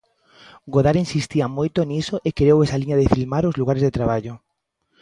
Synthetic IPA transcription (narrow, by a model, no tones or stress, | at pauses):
ɡoðaɾinsist̪iɐmojt̪onisoʔekeɾewɛsaliɲaðefilmaɾozluɣaɾezðet̪ɾaβ̞aʎo